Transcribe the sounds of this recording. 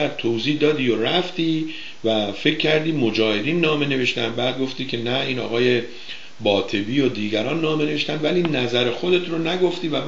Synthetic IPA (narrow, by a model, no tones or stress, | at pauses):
æɾt̪ʰowziːhd̪ɒːd̪iːjoɾæft̪iː | væfe̞cʰːæɾd̪iːmod͡ʒɒːhe̞d̪iːnːɒːme̞ne̞ve̞ʃt̪ænd̪bæːd̪̚ɡo̞ft̪iːcʰe̞næiːnɒ̰ːɣɒːje̞ | bɒːt̪ʰe̞biːjod̪iːɟæɾɒːnːɒːme̞ne̞veʃt̪ænd̪væliːnæzæɾe̞xo̞d̪e̞t̪ʰɾonæɡo̞ft̪iːvæm